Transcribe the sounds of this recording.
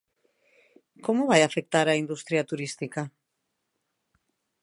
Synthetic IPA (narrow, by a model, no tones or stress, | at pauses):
komoβajafek̚t̪aɾaind̪ust̪ɾjat̪uɾist̪ika